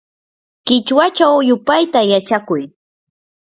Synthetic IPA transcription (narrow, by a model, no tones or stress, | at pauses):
kɪt͡ʃwat͡ʃawjʊpajt̪ajat͡ʃakʊj